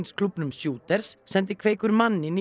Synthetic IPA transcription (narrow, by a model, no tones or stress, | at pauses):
nskʰlʏpnʏmsjuːt̪ɛɾ̥sːɛnt̪̬ɪkʰveːjkʏɾmanːɪni